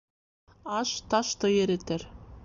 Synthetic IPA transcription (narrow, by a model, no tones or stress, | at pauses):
ɑʃt̪ɑʃt̪ɤjeɾet̪ɘɾ